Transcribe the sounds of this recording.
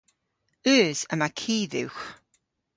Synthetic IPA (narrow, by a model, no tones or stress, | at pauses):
ʉːzəmakʰiːðɪ̰wχ